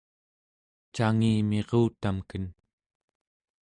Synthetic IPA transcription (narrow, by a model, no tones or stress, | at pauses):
t͡ʃaŋiːmeʁuːt̪amkən